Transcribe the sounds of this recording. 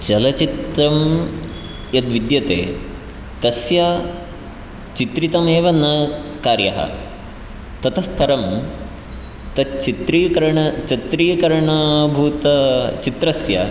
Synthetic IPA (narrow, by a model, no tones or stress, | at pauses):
t͡ʃɐlɐt͡ʃit̪ɾɐm | jɐd̪ʋid̪jɐt̪ḛː | t̪ɐsjaː | t͡ʃit̪ɾit̪ɐmeːʋɐnɐkaːɾjɐ̰ɦɐ̰ | t̪ɐt̪ʰɐfpɐɾɐm | t̪ɐt͡ʃit̪ɾiːkɐɾɐɳɐt͡ʃɐt̪ɾiːkɐɾɳɐbʱuːt̪ɐt͡ʃit̪ɾɐsjɐ̰